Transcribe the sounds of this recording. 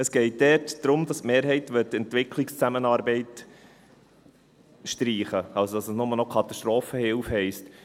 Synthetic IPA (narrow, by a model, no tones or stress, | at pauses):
əsɡ̥ɛɪt̚d̥ɛrtd̥ɾʊmd̥ɑstmeːɾɦɛɪtʋɪtɛntʋɪkʰlɪkst͡sæmənɑːɾbɛɪt | ʃtɾiːχəɑlsod̥ɑsəsnʊmənɔkʰɑt̪ɑʃtɾoːfəhɪlfhɛɪst